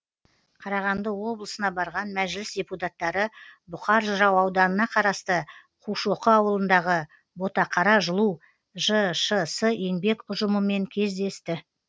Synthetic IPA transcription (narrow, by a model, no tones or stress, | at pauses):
qʰɑɾɑʁɑnd̪əwo̞blˠəsənɑbɑɾʁɑnmæʒɪlɪsdʲeput̪at̪ːɑɾəbʊqɑɾʒəɾɑwɑwd̪ɑnənɑqʰɑɾɑst̪ə | qʰuʃo̞qəɑwəlˠənd̪ɑʁə | bo̞t̪ɑqʰɑɾɑʒəlˠu | ʒəʃəsəe̞ŋbe̞kʊʒəməme̞ŋkʲʰe̞zd̪e̞st̪ɪ